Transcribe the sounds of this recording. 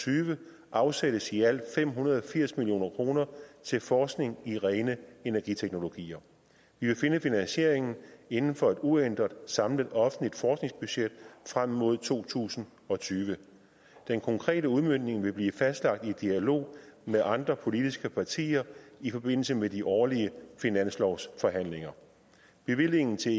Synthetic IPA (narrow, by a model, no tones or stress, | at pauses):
t͡sʰyːʋə | ʔɑ̈ʊseɾ̥əsiæl̰̥fem̰ɦunɐð̞ˠɒ̽fiɐ̰smilijo̝̰ːnɐkʰʁo̝ːnɐt͡sʰe̝lfɒːsɡ̥ne̝ŋiʁɛɪnəe̝næɐɡ̥it͡sʰeɡ̥no̝lo̝ɡ̥ḭːɐ | ʋiʋe̝fe̝nəfinænɕe̝ɐ̰e̝ŋn̩e̝nn̩fɒ̽e̝d̥uen̰d̥ʁɐd̥ˠsɑ̈mləðˠɒ̽fn̩lid̥fɒːsɡ̥ne̝ŋsb̥yɕed̥̚fʁam̰ːo̝ð̞̰ˠt͡sʰo̝̰ːt͡sʰṵːsn̩ | ɒ̽t͡sʰyːʋə | d̥enkʰɒ̽ŋkʰʁɛ̰ːɾəuðˠmøn̰ne̝ŋʋe̝b̥liːfæsd̥lɑ̈ɡ̥̚d̥id̥iælo̝̰ːmeðˠʔɑ̈nd̥ʁɐpʰo̝lid̥isɡ̥əpʰɑ̈t͡sʰḭːɐifɒ̽b̥e̝n̰l̩səmediʔɒːliəfinæn̰slɒʊsfɒ̽ɦæn̰le̝ŋɐ | b̥e̝ʋile̝ŋn̩t͡sʰe̝